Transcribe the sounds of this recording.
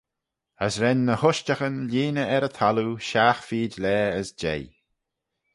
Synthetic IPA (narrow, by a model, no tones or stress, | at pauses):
əsɾɛnːəhʊʃt͡ʃəxənlʲiːnəɛɾət̪ʰaluʃaːxfiːdlɛːəsd͡ʒḛj